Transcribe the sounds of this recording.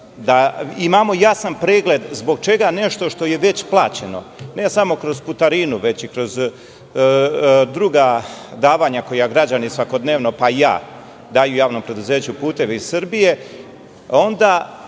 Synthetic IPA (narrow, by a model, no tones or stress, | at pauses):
d̪aimamo̞jasanpɾeːɡle̞d̪zbo̞ɡ̚t͡ʃe̞ɡane̞ʃt̪o̞ʃt̪o̞je̞ʋe̞t͡ɕplˠaːt͡ɕe̞no̞̰ | ne̞samo̞kɾo̞zput̪aɾiːnuʋe̞t͡ɕikɾo̞z | d̪ɾuɡad̪aːʋaːɲako̞jaɡɾad͡ʑanisʋako̞d̪ne̞ːʋno̞paija̰ː | d̪aːjujaːʋno̞mpɾe̞d̪uze̞ːt͡ɕupuːt̪e̞ʋeizsɨɾbije̞ | o̞nd̪a